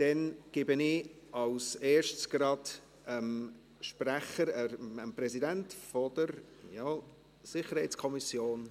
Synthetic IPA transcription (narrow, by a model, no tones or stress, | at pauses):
d̥ɛnɡ̥ɪbənɪ | ɑʊseːɾʃtsɡ̥ɾɑd | əm | ʃprɛχəɾəəmprɛzidɛntfɔdəɾ | jaː | sɪχəɾhɛɪt͡sskʰɔmisjoːn